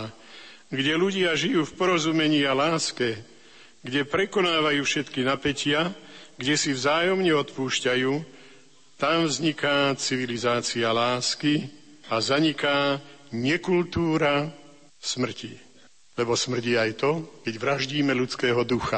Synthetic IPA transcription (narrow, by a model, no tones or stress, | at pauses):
ɡɟɛluɟɪaʒijuːfpɔɾɔzuːmɛɲialaːskɛ | ɡɟɛpɾɛkɔnaːʋajuːfʃɛt̪kinapɛcɪaɡɟɛsivzaːjɔmɲɛɔt̪puːʃcajuː | t̪amvzɲikaːt͡siʋilizaːt͡sialaːski | azaɲikaːɲɛkult̪uːɾa | smr̩ci | lɛbɔsmr̩ɟiːajt̪ɔkɛɟʋɾaʒɟiːmɛlut͡skɛːɦɔd̪uxa